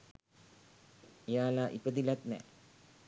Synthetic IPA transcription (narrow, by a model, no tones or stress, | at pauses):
ijaːlaːʔipəd̪ilat̪nɛ̰ː